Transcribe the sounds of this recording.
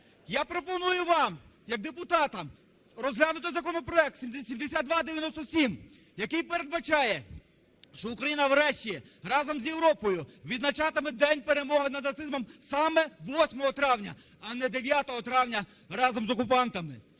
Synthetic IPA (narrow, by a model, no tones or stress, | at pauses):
japɾɔpɔnujʊʋɑmjɐɡ̚d̪epʊt̪ɑt̪ɐm | rɔzɦlʲanʊt̪ɪjzɐkɔnɔpɾɔɛk̚t̪sʲisʲimd̪esʲad̪d̪ʋɑd̪eʋʲjɐnɔst̪ɔsʲim | jɐkɪjpeɾed̪bɐt͡ʃɑjɛ | ʃt͡ʃɔʊkɾɐjinɐwɾɛʃt͡ʃʲiɛɾɑzɔmzjewɾɔpɔjʊʋʲid̪nɐt͡ʃɑt̪ɪmɛd̪ɛnʲpeɾemɔɦɪnɐd̪nɐt̪sɪzmɔmsɑmɛʋɔsʲmɔɦɔt̪ɾɑwnʲɐ | ɐnɛd̪eʋʲjat̪ɔɦɔt̪ɾɑwnʲɐ | ɾɑzɔmzɔkʊpɑnt̪ɐmɪ